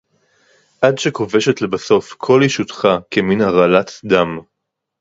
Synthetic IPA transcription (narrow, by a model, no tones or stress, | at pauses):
ʔadʃeko̞ve̞ʃe̞tle̞baso̞fkʰo̞liʃut̪χakeminaʁalat̪d̪am